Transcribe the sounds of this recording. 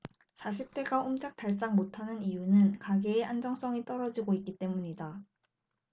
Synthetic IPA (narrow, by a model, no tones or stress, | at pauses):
t͡ɕaɕʰip̚t͈e̞ɡaomd͡ʑak̚t͈aɭs͈aŋmotʰanɯnijunɯnkaɡeːʔand͡ʑʌŋs͈ʌŋit͈ʌɾʌd͡ʑiɡoik͈it͈e̞muɲida